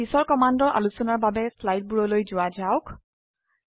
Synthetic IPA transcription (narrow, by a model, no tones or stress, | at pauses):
isɔɹkɔmandɔɹʔa̰lusɔnaɹbabɛslajt̚buɹɔlojzʊwazaʊk